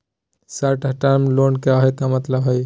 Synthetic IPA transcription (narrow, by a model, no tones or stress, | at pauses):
saʈəʈaɾmlonkeɔɦet̪amət̪ləbɦoj